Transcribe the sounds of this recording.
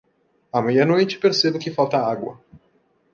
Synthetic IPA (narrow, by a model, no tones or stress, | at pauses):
ɐmejɐnojt͡ʃɪ̥peɾsebʊkɪfawt̪ɐaɡwɐ̰